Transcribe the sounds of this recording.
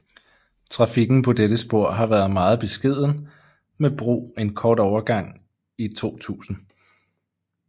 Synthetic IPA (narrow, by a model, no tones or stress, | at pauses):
t͡sʰʁɑ̈fiɡ̥n̩pʰɒ̽d̥eɾəsb̥o̝ɐ̰ɦɑ̈ʋæɐð̞̩ˠmɑ̈ːð̞̩ˠb̥e̝sɡ̥e̝ð̞̰ˠn̩ | meb̥ʁo̝̰ːe̝nkʰɒːd̥ɒʊɐɡ̥ɑ̈ŋ̰ | it͡sʰo̝̰ːt͡sʰṵːsn̩